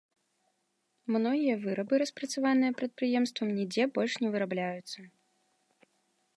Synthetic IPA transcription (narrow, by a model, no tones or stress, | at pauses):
mnɔɣʲijɐvɨɾɐbɨɾɐspɾɐt̪savanɨjɐpɾɐt̪̚pɾɨjɛmst̪vɐmnʲid͡zʲɛbɔlʲʂnʲɛvɨɾablʲajut̪sːɐ